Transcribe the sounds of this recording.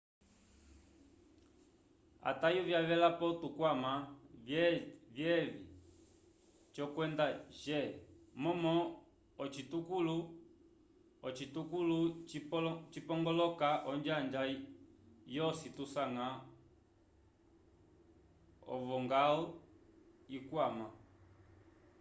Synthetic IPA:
a̰tajuvjavɛlapɔtukwama | vjɛvi | t͡ʃɔkwɛndaʒɛmɔmɔ | ɔt͡ʃitukulu | ɔt͡ʃitukulu | t͡ʃipɔŋɡɔlɔkaʔɔɲd͡ʒand͡ʒa | jɔsitusaŋa | ɔ̰vɔŋɡaɔ | ikwama

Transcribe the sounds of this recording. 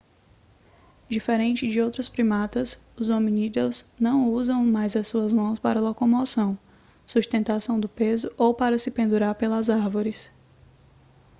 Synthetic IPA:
d͡ʒifeɾẽnt͡ʃɪd͡ʒɪowt̪ɾʊspɾimat̪ɐsʊzomĩnid̪ewznɐ̃w̃uzɐ̃w̃majzɐsuɐzmɐ̃w̃spaɾɐlɔkomosɐ̃w̃ | suʃt̪ẽnt̪asɐ̃w̃d̪ʊpezʊʔowpaɾɐsɪpẽnd̪uɾaɾpelɐzaɾvoɾɪs

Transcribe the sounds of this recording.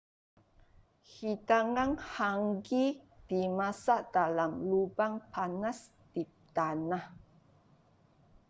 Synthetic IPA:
hit̪aŋaŋhaŋɡid̥imasadalamlubaŋpʰanas | d̥i | t̪anah

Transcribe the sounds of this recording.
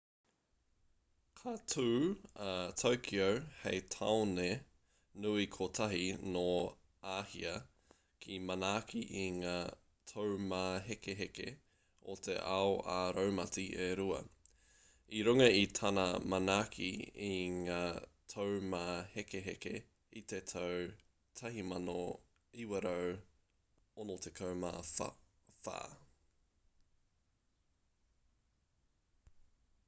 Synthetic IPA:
kʰatʰuːatʰowkʰiowhejtʰaone | nuikʰotʰɐɦino | aːhiɐ | kʰimɐnaːkʰiʔiŋaː | tʰowmaːɦekeɦekḛ | o̰t̪ʰḛʔaoʔaɾowmɐt͡siʔeɾuɐ̰ | iɾuŋɐit̪ʰɐnamɐnaːkʰḭiŋaːtʰowmaːhekeɦeke | it̪et̪ʰow | tʰɐɦimɐno | iwɐɾow | onot̪ʰekʰɐwma̰ː | fa̰ː

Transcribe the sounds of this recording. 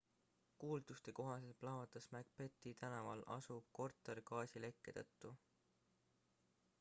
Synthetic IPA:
kuːld̪̥ust̪e̞ko̞ɦɑselplɑvɑt̪ːˑɑsmæɡ̥̚pe̞t̪ːˑit̪ænɑvɑlʔɑ̰sub̥̚ko̞rt̪ːˑerkɑːsʲile̞kˑːe̞t̪ɤ̰t̪ːˑu

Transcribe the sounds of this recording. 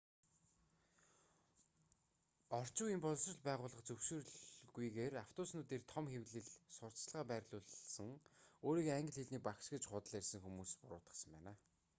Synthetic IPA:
ɔr̥t͡ɕʊːimpʊɮsrə̆ɮpæːʁʊːɮə̆χt͡sɵwʃɪ̆rɮɣujɣeːraw̥t̪ʰʊːsnʊːt̪eːrt̪ʰɔmxewɮɘ̆ɮsʊr̥t͡sɮʁaːpæːrʲɮʊːɮsə̆ŋoːɾiːɣaŋɡə̆ɮxeɮniːk̚pakʃɡĕt͡ɕχʊt̪ə̆ɮærʲsə̆ŋxumuːspʊɾʊ̰ːt̪ə̆sə̆mpæːnaː

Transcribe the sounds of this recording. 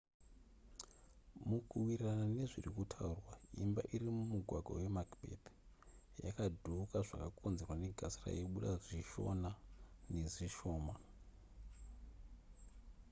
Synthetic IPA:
mukʰuwirranane̞ʐirikutʰaurwaimba̰ʔiɾimumuɡʱwaɡʱa̰we̞makbʱḛd | ja̰kadʱukaʐakakʰonzerwane̞ɡʱasira̰jeɓuɗaʐiʃo̞̰nane̞ʐiʃo̞ːma

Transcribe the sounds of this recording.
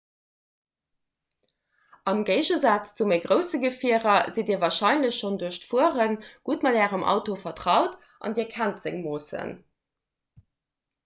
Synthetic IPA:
ɑmɡəɪʒəzɑːt͡st͡sumeɪɡʁəʊsəɡəfiəʁɐzidiːɐvɑːɐʃɑɪnləɕʃonduəɕtfuəʁənɡ̥utmɑdæːʁəmʔɑ̰ʊtofɐtʁɑʊt | ʔɑ̰ndiːɐkʰæntz̥ə̰ŋmoːsə̰n

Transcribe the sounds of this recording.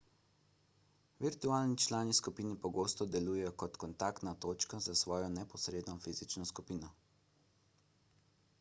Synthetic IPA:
ʋiɾt̪uaːlnit͡ʃlaːniskupiːnipɔɡoːst̪ɔd̪ɛluːjɛjɔkɔt̪kɔnt̪aːkt̪nat̪oːt͡ʃkazasʋɔːjɔnɛpɔsɾeːd̪nɔfiːzit͡ʃnɔskupiːnɔ

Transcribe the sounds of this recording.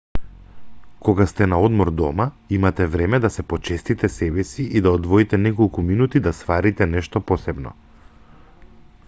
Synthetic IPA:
kɔɡast̪ɛnaɔd̪mɔɾd̪ɔma | imat̪ɛvɾɛmɛd̪asɛpɔt͡ʃɛst̪it̪ɛsɛbɛsiʔid̪aɔd̪vɔit̪ɛnɛkɔlˠkuminut̪id̪ast̪vaɾit̪ɛnɛʃt̪ɔpɔsɛbnɔ̰

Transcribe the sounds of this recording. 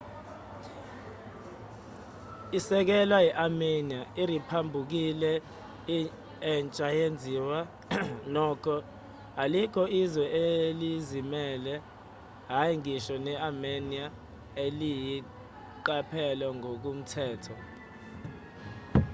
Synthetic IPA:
isɛk̬ɛlwajɛʔameniaiɾipʰambʱuk̬ilɛ | ɛnt͡ʃʼajend͡zʱiːwa | nɔːkʰɔ | alikʰɔizwɛʔelizimɛlɛ | ɦajiŋiʃɔnɛamenia | eliji | ǃapʰɛlɛŋok̬um̩tʰɛːtʰɔ

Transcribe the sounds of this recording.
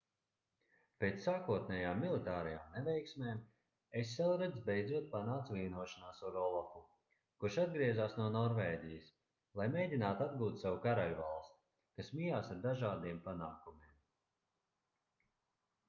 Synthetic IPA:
peːt̪ssːaːkuɔt̪̚nʲɛjaːmːilˠit̪aːɾɛjaːmnɛvɛjksmeːm | esʲːɛlˠɾɛd̪zbejdzuɔt̪̚panaːt̪svʲiːnuɔʃanaːsuɾɔlˠaku | kuʃad̪ɡɾiɛzaːsnuɔnɔɾvɛːd̪ʲijəs | lˠajmʲejd̪ʲinaːt̪ad̪ɡuːt̪sawukaɾalʲva̰lˠst̪ | kasmijaːsaɾd̪aʒaːd̪iɛmpanaːkumiɛm

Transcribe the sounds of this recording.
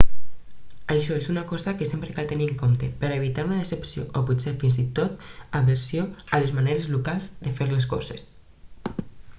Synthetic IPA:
aʃɔezunakɔzakesempɾekalt̪eniəŋkomt̪epeɾaeβ̞it̪aɾunaðesepsjo̰ʔopusefinzit̪ot̪aβeɾsjoalezmaneɾezlukalˠzd̪efeɾles̬kɔ̰zes

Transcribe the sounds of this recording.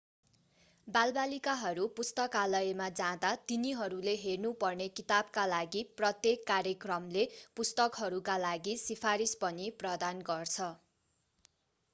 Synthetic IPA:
balbalikaɦʌɾupust̪ʌkalʌjemad͡zãd̪at̪iniɦʌɾuleɦernupʌrnekit̪ab̚kalaɡiprʌt̪jekːaɾjʌkrʌmlepust̪ʌkɦʌɾukalaɡisipʰaɾispʌniprʌd̪anɡʌrt͡sʰʌ

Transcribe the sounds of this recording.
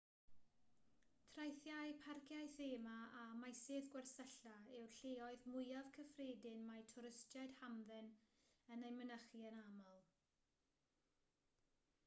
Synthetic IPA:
tʰrajθjajpʰarkʰjajθeːmaamajseːðɡwɛrsəɬaɛwɬeːɔɨðmʊjav̥kʰəfreːdɪnmajtʰʊɾɪstjaɨd̥hamðɛn | ənejmənəχiənamɔlˠ

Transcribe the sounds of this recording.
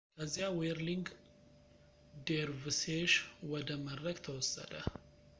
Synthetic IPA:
kʰəzːijaweɾliŋɡ | d̪eɾvɨseʃwɔd̪əməd̪ɾəɡt̪ʰəwɔsːə̰d̪ə

